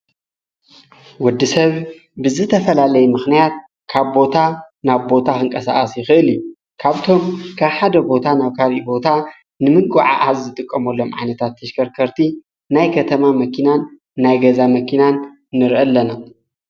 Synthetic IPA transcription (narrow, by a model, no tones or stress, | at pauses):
wɔd̪ːisɐβ | bɨzɨt̪ʰɐfɐlalɐjumɨxnijat̪̚ | kʰaβbo̞t̪ʰa | naβbo̞t̪ʰaxɨŋkʼɐsa̰ʔʼɐsjɪxɨʔɨliju | kʰaβt̪ʰo̞mkʰaβħad̪ɐbo̞t̪ʰanaβkʰaβʔibo̞t̪ʰa | nɨmɨkʼuʕa̰ʔazːɨt̪ʼɨkʼːɐmɐlːo̞mʕa̰jnɐt̪ʰat̪ʰːɐʃkʰɐɾkʰɐɾt̪ʰi | najkʰɐt̪ʰɐmamɐkʰinanː | ajɡɐzamɐkʰinanː | ɨɾʔɐlːɐna